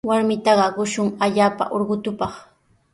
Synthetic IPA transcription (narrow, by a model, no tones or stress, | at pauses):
waɾmɪt̪ɑɢɑɢʊʃʊŋaʎaːpa̰ʔoɾɢʊt̪ʊpɑχ